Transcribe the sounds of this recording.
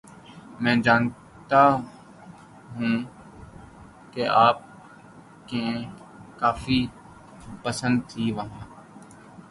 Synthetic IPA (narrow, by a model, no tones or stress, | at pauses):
mɛ̃ːd͡ʒaːn | t̪a | ɦũː | keaːp̚ | ke | kaːfiː | pəsə̃nd̪̚t̪ʰiːʋəɦãː